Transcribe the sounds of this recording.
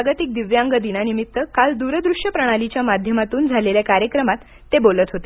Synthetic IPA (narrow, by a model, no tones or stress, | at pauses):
aɡət̪ik̚d̪iʋjaŋɡəd̪inanimit̪ːəkald̪uɾəd̪ɾuʂjəpɾəɽ̃alit͡ɕjamad̪ʱjəmat̪uːnd͡zʱaleljakaɾjəkɾəmat̪ːebolət̪ɦot̪e